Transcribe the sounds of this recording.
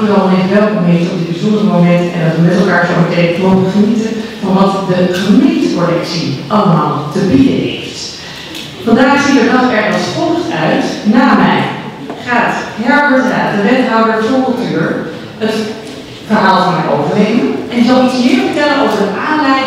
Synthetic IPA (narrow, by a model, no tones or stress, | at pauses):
ərɔmɛtʋɛlˠkɔmɦeftɔp̚dɪd̚bəzɔndərɹəmowmɛntɛ̰ndɑtəmɛtlˠkaːɹfoɹbətejkəoəχənitəv̥ɑnʋɑtdəχəmyiitəpɔɹdɛksiʔɑləmaːlˠtəbidə̰nḛjft | fɑndaːχz̥itəɹdɑtɛɹχənspoχtœɥtnaːmɛ̰j | χaːtɦɛɹpətəna̰ːdəʋɛtɦawdəɹtɔkəlˠtyːɹ | ət | fəɹɦaːlˠtnaɹʔo̰wvərejənʔɛnɪkzɑlˠitsmɪːɹvəɹtɛlənɑlˠsəʔaːnlɛj